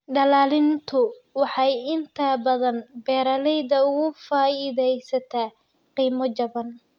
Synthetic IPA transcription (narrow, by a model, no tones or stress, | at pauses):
ɖɐlaːlɪnt̪ʰʊwɑħɑjɪnt̪ʰɐbɐðɐnbɛːɾɐlɛjðɐʊɣʊfaːɪðɛjsɐt̪ʰaː | qiːmɔt͡ʃɐβɐn